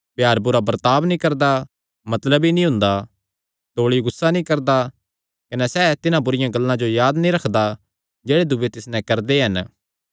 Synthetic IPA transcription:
pjaːɾbʊɾabɐɾt̪aːbnĩkɐɾd̪a | mɐt̪ləbinĩɦʊ̃nd̪a | t̪oːɭiɡʊsːanĩkɐɾd̪a | kɐnɛsɛːt̪ɪnãbʊɾɪjãɡɐlːãd͡ʒojaːd̪nĩɾɐkʰd̪a | d͡ʒeːɽed̪ʊbet̪ɪsnɛ̃kɐɾd̪eɦɐn

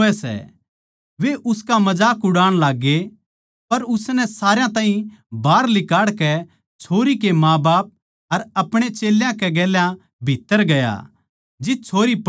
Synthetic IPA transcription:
ɛsɛ̰ | ʋeʔʊskamɐd͡ʒaːkʊɽaːɽ̃laːɡːe | pɐɾʊsnɛsaːɾejãt̪aːɦĩbʱaːɾlɪkaːɽkɛ | t͡ʃʰoːɾikemãːbaːp̚ | ɐɾɐpɽ̃et͡ʃeːljãkɛɡɛːljã | bʱɪt̪ːəɾɡɐja̰ | d͡ʒɪt̪̚t͡ʃʰoːɾip

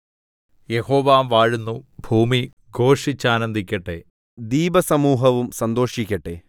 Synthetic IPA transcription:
jeho̞ːʋaːmʋaːɻunːubʱuːmi | ɡo̞ːʂit͡ɕːaːnɐnd̪ʱikʲːɐʈːe | d̪iːbɐsɐmuːɦɐʋumsɐnd̪o̞ːʂikʲːɐʈːe

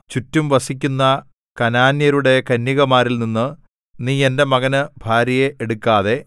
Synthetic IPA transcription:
t͡ɕutːumʋɐsik̬ʲːunːɐ | kɐnaːnjɐɾuɽe̞kɐnːiɣɐmaːɾilninːɨ | niːe̞nde̞mɐɣɐnɨbʱaːɾjɐjeʔːɽukːaːðe̞

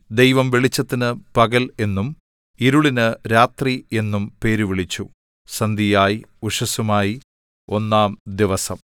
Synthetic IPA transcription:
d̪ejʋɐmʋeɭit͡ɕːɐt̪ːinɨpɐɣɐle̞nːum | iɾuɭinɨɾaːt̪rie̞nːumpe̞ːɾuʋiɭit͡ɕːu | sɐnd̪ijaːjiuʂɐsumaːji | o̞nːaːmd̪iʋɐsɐm

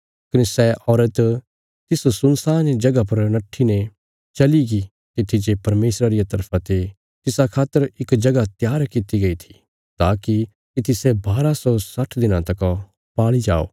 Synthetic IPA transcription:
kɐnesɛʔɔːɾət̪ | t̪ɪsosʊnsaːnid͡ʒɐɡapɐɾnɐʈʰːine | t͡ʃɐliɡi | t̪it̪ʰːid͡ʒepɐɾmeːsɾaɾijat̪ɐɾpʰãt̪e | t̪ɪsakʰaːt̪ːəɾɪkd͡ʒɐɡat̪jaːɾkɪt̪iɡɐit̪ʰi̥ | t̪aːki | kit̪ɪsebaːɾasɔsɐʈʰd̪ɪnãt̪ɐk | paːɭid͡ʒa̰ːo̰ː

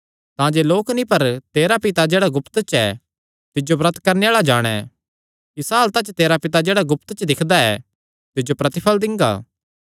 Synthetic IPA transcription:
t̪ãːd͡ʒeloːknĩpɐɾt̪eːɾapɪt̪ad͡ʒeːɽaɡʊpt̪t͡ʃɛ | t̪ɪd͡ʒobɾɐt̪kɐɾneaːɭad͡ʒaːɽ̃ɛ̰ | kisaːlt̪ãt͡ʃt̪eːɾapɪt̪ad͡ʒeːɽaɡʊpt̪t͡ʃd̪ɪkʰd̪aɛ̰ | t̪ɪd͡ʒopɾɐt̪ɪpʰəld̪ɪ̃ŋɡa̰ː

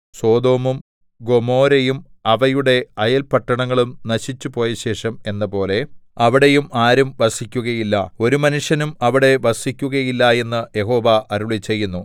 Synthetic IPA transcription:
so̞ːd̪o̞ːmum | ɡo̞mo̞ːɾejumɐʋɐjuɽe̞ɐjɐlpɐʈːɐɳɐŋːɐɭumnɐɕit͡ɕːupo̞ːjɐɕe̞ːʂɐme̞nːɐpo̞ːle̞ɐʋiɽe̞jumaːɾumʋɐsikʲːuɣɐjilːɐo̞ɾumɐnuʂjɐnumɐʋiɽe̞ʋɐsikʲːuɣɐjilːɐje̞nːɨje̞ɦo̞ːʋɐɐɾuɭit͡ɕːe̞jːunːu

